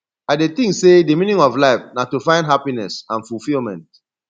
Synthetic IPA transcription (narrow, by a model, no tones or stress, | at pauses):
adet̪ĩŋksedemĩnĩŋɔflaɪfnatufãɪ̃ndɦapinɛ̰sãnfulfilmɛ̃nt̚